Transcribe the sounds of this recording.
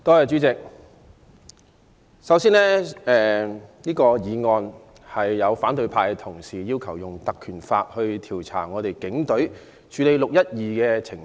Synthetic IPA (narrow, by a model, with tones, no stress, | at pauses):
t̪ɔː˥jaː˨˧t͡ʃyː˨˥t͡sɪ˨k̚ | sɐ˨˥wsiː˥nɛː˥ɛː˨niː˥kɔː˧jiː˨˧ŋɔː˨˧n | hɐ˨jːɐ˨˧wfaː˨˥nt̪ɵ˧ɥpʰaː˧jkɛ˧t̪ʰʊ˨˩ŋsiː˨˩jiː˥wkʰɐ˨˩wjʊ˨ŋt̪ɐ˨kʰːyː˨˩nfaː˧t̚hɵ˧ɥt̪ʰiː˨˩wt͡sʰa̰ː˨˩ŋɔː˨˧t̪e˨jkɪ˨˥ŋt̪ɵ˨˥ | t͡ʃʰyː˨˧le˨˧jlʊ˨k̚jɐ˥t̚jiː˨kɛː˧t͡sʰɪ˨˩ŋ